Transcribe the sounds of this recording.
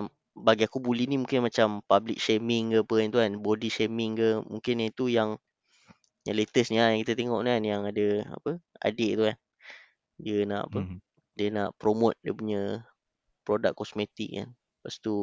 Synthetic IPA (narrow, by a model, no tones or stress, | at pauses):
baɡiakubulihnimũŋkɪnmat͡ʃampablik̚ʃemɪŋkəpənt̪̬ukanbodiʃemɪŋkəmuŋkɪnit̪ujaŋ | jalet̪əsnilajãŋkit̪at̪eŋɔʔanjaŋadəa̰pəa̰deʔt̪ukan | diəna̰ʔa̰pə | diənaʔpɾomʊt̪̚diəpuɲə | pɾodakːɔsmet̪ḭk̚ka̰n | past̪u